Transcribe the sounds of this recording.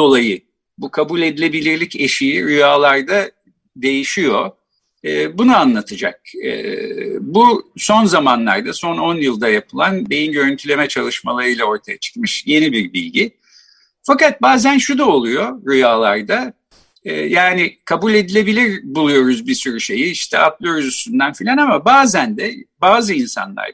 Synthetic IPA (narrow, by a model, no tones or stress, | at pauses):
o̞lˠajɯ | bukʰabulʲe̞d̪ilʲe̞bilʲiɾlʲice̞ʃijiɾujaːlˠaɾd̪a | d̪e̞jiʃijo̞ | ɯːbunuanlˠat̪ʰɯd͡ʒa̰k̚ɯ̰ːbuso̞nzamanlˠa̰ɾd̪aso̞no̞njɯlˠd̪ajapʰɯlˠanbe̞jinɟø̞ɾynt̪ʰylʲe̞mɛt͡ʃʰalˠɯʃmalˠaɾɯjlʲˠao̞ɾt̪ʰajat͡ʃʰɯ̥k̚mɯʃje̞nibiɾbilʲɟi | fakat̪̚baːzænʃud̪ao̞lˠujo̞ɾujaːlˠaɾd̪a | ɯːjaːnɪkʰabulʲe̞d̪ilʲe̞bilʲiɾbulˠujo̞ɾuzbisyɾyʃe̞jiiʃt̪ʰɛ̰ʔat̪lˠɯøɾzysynd̪ænfilʲanamabaːzænd̪ɛbaːzɯinsa̰nlˠa̰ɾ